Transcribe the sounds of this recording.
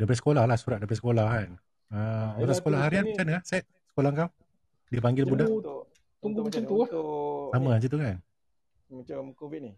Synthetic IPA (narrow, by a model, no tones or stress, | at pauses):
dapəɾisə̥kolahlahsuɾat̪̚dabpɾisə̥kolahkan | əat̪asəkolahɦaɾianmat͡ʃanahsɛt̪̚sə̥kolahŋkaw | diəp̬aŋɡɪlbbuda | t̪uŋɡumat͡ʃamt̪uahsamə̃and͡ʒit̪ukan | ki